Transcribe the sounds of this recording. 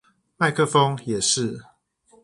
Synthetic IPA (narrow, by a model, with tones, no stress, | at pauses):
ma˥˨ɪkʰɤ˥˧fo˦ŋjɛ˨˩ʂɻ̩˥˨